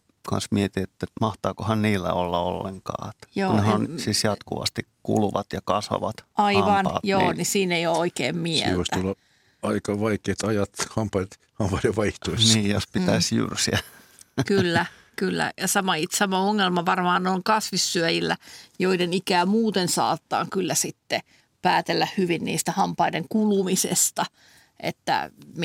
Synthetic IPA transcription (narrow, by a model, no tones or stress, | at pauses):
kɑ̰nsmiet̪iet̪ːæmɑht̪ɑːkohɑnniːlːæ̰olːɑo̰lːḛŋkɑ̰ːet̪ːjoːnehɑnsiːsjɑt̪kṵʋɑ̰st̪ikkṵlʋɑt̪jɑkɑsʋɑ̰ʋɑt̪ɑiɑʋmɑnɑ̰joːnisiːneiooikḛːmmiɛ̰lʋoist̪æulːɑ | ɑikɑʋɑikeːt̪ɑjɑt̪hɑmpɑit̪ | hɑmpɑidɑʋɑiht̪oisniːjospit̪æisjy̰rsiækylːæ | kylːæ̰jɑsɑmɑit̪sɑmɑoŋːelmɑʋɑrmɑːnnoiŋkɑsʋisːyæjilːæ̰joidenikæːmuːt̪ensɑ̰ːt̪ːɑ̰ːŋkylːæsit̪ːe | pæːt̪elːæhhyʋinnḭːst̪æhɑmpɑideŋkulumisḛst̪ɑ | ʔḛt̪ːæ̰m